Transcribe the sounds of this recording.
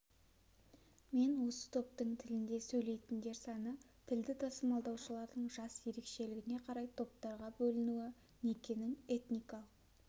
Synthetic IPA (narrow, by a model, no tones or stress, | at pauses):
me̞nwo̞sə̥t̪ʰo̞p̚t̪əɴt̪ʰɪlɪnd̪e̞sɵjle̞jt̪ɪnd̪e̞ɾsɑnə | t̪ʰɪld̪ɪt̪ʰɑsəmɑlˠd̪ɑwʃəlˠɑɾd̪əɴʒɑsje̞ɾe̞kʃe̞lɪɡʲɪne̞qʰɑɾɑjt̪ʰo̞p̚t̪ɑɾʁɑbɵlɪnuwɪ | nekʲe̞nɪŋe̞t̪nijkɑlˠəq